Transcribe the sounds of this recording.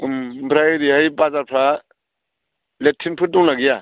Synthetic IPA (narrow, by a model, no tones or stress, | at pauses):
mbɾajɾihajbazaɾpʰɾa | letʰːinpʰɯt̚dɔŋnaɡija